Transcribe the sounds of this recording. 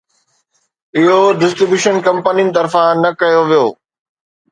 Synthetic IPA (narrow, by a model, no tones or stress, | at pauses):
ɪɦoɖɪsʈɾɪbjuːʃənkɐ̃mpənijnɪ̆t̪ɐɾfãnɐkɐjoʋijoː